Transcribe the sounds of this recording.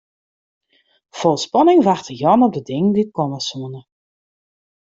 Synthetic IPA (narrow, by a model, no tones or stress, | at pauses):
fɔlˠspɔnɪŋʋaxtəjɔnɔp̚dədɪŋəndit̚kɔməsuənə